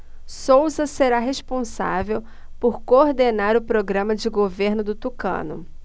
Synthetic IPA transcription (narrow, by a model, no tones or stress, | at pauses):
sowzɐseɾaɦeʃpõsa̰vew | poɾkoɾd̪enaɾʊpɾoɡɾɐ̃mɐd͡ʒɪɡoveɾnʊd̪ʊt̪ukɐ̰̃nʊ̰